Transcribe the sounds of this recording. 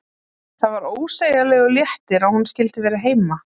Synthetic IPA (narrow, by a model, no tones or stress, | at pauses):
θaðvaɾoːwseːjalɛɣɔljɛht̪ɪɾawhunscɪlt̪ɪvɛːɾaɦeːjma